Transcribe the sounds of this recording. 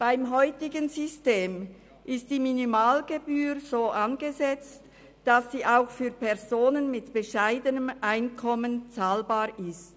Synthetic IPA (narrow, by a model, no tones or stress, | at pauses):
b̥aɪmɦɔʏtɪɡənzʏsteːm | ʔɪst̚d̥iːminimaːlɡebyːɾz̥oːʔanɡezɛt͡st | d̥asd̥iːʔaʊxfyːɐpʰɛɐzoːnənmɪtb̥eʃaɪdənəmʔaɪnkʰɔmənt͡saːlbaːʁʔɪst